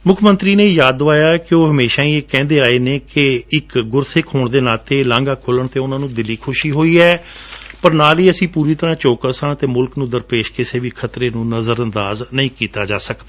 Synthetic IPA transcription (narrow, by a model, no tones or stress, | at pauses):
mʊkʰmə̃nt̪ɾiːneːjaːd̪oʋaːjaːkɪoːɦəmeːʃaːiːeːkɛ̃ːnd̪eːaːeːneːkɪɪkɡʊɾsʰeːkʰoːɳd̪eːnaːt̪eːlãːŋɡaːkʰʊləɳt̪eːʊnãːnũːd̪ɪliːkʰʊʃiːɦoːiːɛːpəɾnaːliːəsĩːpuːɾiːt̪əɾãːt͡ʃoːkəsãːt̪eːmʊlknũːd̪əɾpeːʃkɪseːʋiːkʰət̪ɾeːnũːnəzəɾə̃nd̪aːznəĩːkiːt̪aːd͡ʒaːsəkd̪aː